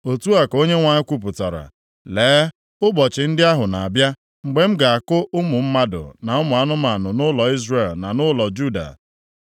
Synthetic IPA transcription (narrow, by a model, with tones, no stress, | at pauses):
o˨tu˦a˨ko˦ɲe˦ŋʷa˨ɲɪ˦kʷu˦p̬ʊ˨tɔ˨ɾa̰˨ | leː˨˦ | ʊ˦bɔ˨t͡ʃɪ˨n̩˦dɪ˦a˦ɦʊ˨na˨a˨bja˦ | ŋ͡m̩˨ɡ͡be˨m̩˦ɡa˨a˨kʊ˦ʔʊ˦mʊ˨m̩˦ma˦dʊ̰˨na˨ʊ˦mʊ˨a˦nʊ˦ma˨nʊ˨nʊ˦lɔ˨i˦zre˦˨lna˨nʊ˦lɔ˨d͡ʒu˦da̰˨